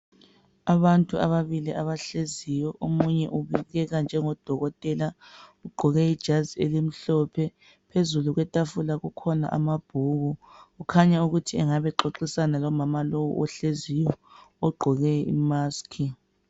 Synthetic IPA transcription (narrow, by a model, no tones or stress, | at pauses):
aβantʼuʔa̰βaβiliʔaβaɬezijɔʔomuɲɛʔuβiɣɛɣand͡ʒʱɛŋɔd̥ʱɔɣɔtʼɛlauɡ͡ǃʱɔɣɛid̥ʒ̥ʱazielim̩ɬɔpʰɛ | pʰezuluɣwɛtʼafulaɣukʰɔna̰ʔamab̥ʱuɣuɣukʰaɲauɣutʰiɛŋaβɛǃoǃisanalɔmamalowṵʔɔɬezijɔɔɡ͡ǃʱɔɣɛḭmaːskʰi